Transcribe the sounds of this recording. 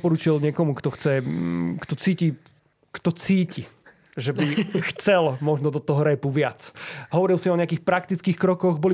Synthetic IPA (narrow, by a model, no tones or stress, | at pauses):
pɔɾuːt͡ʃilɲɪɛkɔmukt̪ɔxt͡sɛkt̪ɔt͡siːci | kt̪ɔt͡siːci | ʒɛbixt͡sɛlmɔʒnɔd̪ɔt̪ɔɦɔɾɛpuʋɪat͡sɦɔʋɔɾilsiɔɲɛakiːxpɾak̚t̪it͡skiːxkɾɔkɔɣbɔli